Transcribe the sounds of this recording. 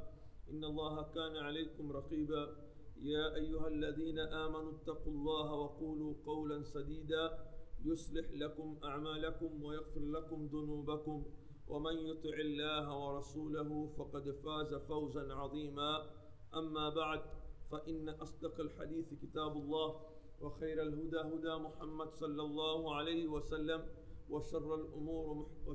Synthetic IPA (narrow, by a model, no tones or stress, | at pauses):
ʔɪnːɑlˤːɑːɦakaːnaʕalajkʊmɾˤɑqiːbaː | jaːʔajːʊɦalːaðiːnaʔaːmanʊt̪ːɑqulˤːɑːɦawɑquːluːqɑwlansad̪iːd̪aːjʊsˤlɪħlakʊmʔaʕmaːlakʊmwajaɣfɪɾlakʊmðʊnuːbakʊm | wʔamanjʊt̪ˤɪʕɪlːaːɦawɑɾˤɑsuːlaɦʊfɑqɑd̪faːzafawzanʕɑðˤiːmaː | ʔamːaːbaʕd̪faʔɪnːaʔɑsˤd̪ɑqalħa̰d̪iːθkɪt̪aːbʊlˤːɑːh | wɑxajɾalɦʊd̪aːɦʊd̪aːmʊħamːad̪sˤɑlːɑlˤːɑːhʊʕalajhɪwasalːamwaʃɑrˤːalʔʊmuːɾ